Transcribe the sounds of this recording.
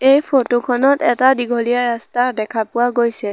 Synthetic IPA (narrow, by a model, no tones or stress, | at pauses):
ejpʰotokʰɔnɔtɛtadiɡʱoliaɹastadɛkʰapʊwaɡojsɛ